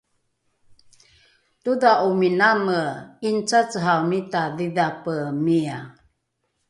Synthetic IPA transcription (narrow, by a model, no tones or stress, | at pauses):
tudaʔuminaməint͡sat͡səɦamitaðiðapəmia